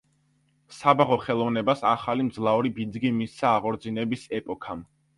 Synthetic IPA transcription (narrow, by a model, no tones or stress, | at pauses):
sabaʁɔχɛlˠɔvnɛbasaχalimd̪zlˠauɾibid̪zɡimisaːʁɔɾd̪zinɛbisɛpʼɔkʰam